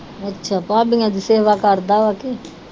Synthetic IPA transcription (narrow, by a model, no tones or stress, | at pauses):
ɐtːʃʰapãːbiŋad̪iseːʋakaɾd̪aːʋake